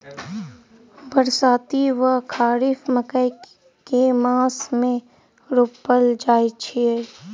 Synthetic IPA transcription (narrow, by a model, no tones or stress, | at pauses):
bəɾsaːt̪iʋəkʰaːɾifməkəj | kemãːsmẽ | ɾopːəld͡ʒaːit͡ʃʰie